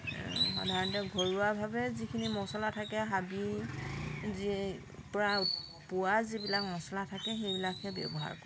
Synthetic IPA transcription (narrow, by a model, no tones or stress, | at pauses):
xɔ̰dʱaɹɔntɔɡʱoɹuwabʱabɛzikʰinimɔsɔlatʰakɛɦabi | zi | pɔɹa | pʊwazibilak̚mɔsɔlatʰakɛxejbilakhɛbɛ̰bɔɦa̰ɹkɔɹɛ